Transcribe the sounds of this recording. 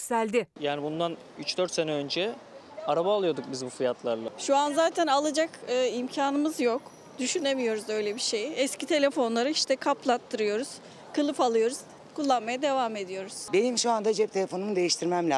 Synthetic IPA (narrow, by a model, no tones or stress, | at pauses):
sælʲd̪ɪjaːnibund̪an | yt͡ʃd̪øɾt̪se̞nɛønd͡ʒɛ | aɾabaːlˠɯjo̞d̪uk̚bizbufijat̪ʰlˠaɾlˠaʃuanzaːt̪ʰænalˠad͡ʒakɯːimcʰaːnɯmɯzjo̞k | d̪̥yʃyne̞mijo̞ɾuzø̞jlʲebiʃejɛscʰit̪ʰe̞lʲe̞fo̞nlˠaɾɯiʃt̪ʰɛkʰaplˠat̪ʰːɯɾɯjo̞ɾuz̥ | kʰɯlˠɯfalˠɯjo̞ɾuz̥ | kulˠːanmajad̪e̞vaːme̞d̪ijo̞ɾuz̥be̞nimʃuand̪ad͡ʒɛp̚t̪ʰelʲefo̞numud̪e̞jiʃt̪ʰiɾmæmlʲɛ